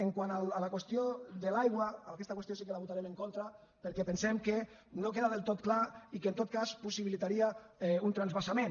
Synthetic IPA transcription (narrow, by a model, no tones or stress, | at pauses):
eŋkwanalalakwest̪jod̪elajɣwaaakɛst̪akwest̪osikelaβut̪aɾemẽŋkont̪ɾa | peɾkepensemke | nokeðaðelˠt̪ot̪klaikeːnt̪ot̪̚kaspusiβilit̪aɾiaɛunt̪ɾanzβasamẽn